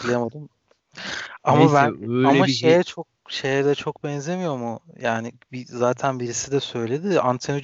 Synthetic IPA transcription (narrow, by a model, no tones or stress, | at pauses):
lʲˠajamad̪ɯm | amabænamaʃejɛt͡ʃʰok̚ʃe̞jɛd̪ɛt͡ʃʰo̞kbɛnze̞mijo̞ɾmʊjaːnɪ | bizaːt̪ʰænbiɾisid̪ɛsø̞jlʲe̞d̪ɪant̪ʰeno